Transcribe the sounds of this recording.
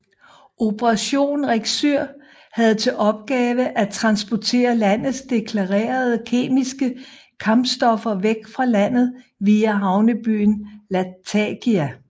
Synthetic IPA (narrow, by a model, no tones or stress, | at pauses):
ʔo̝pəʁɑɕo̝̰ːnʁeɡ̥søɐ̰ | hæð̞̩ˠt͡sʰe̝lʔɒ̽b̥̚ɡ̥ɛːʋəʔæt͡sʰʁɑ̈nsb̥ɒt͡sʰe̝̰ːɐlæn̰ð̩ˠsd̥e̝kʰlɑ̈ʁḛːɐð̞ˠəkʰe̝̰ːmisɡ̥əkʰɑ̈mb̥sd̥ɒ̽fɐʋeɡ̥fʁɑ̈læn̰ð̞̩ˠʋiːæɦɑ̈ʊnəb̥y̰ːnlæt͡sʰæɡ̥iæ